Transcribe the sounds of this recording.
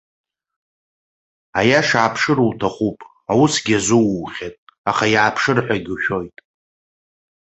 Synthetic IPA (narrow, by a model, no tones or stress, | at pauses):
ajaʂaːpʰʂɨɾuwtʰaχʷupʼ | awusɡʲazɨwːχʲatʼaχajaːpʰʂɨrħʷᶣaɡʲʃᶣo̞jtʼ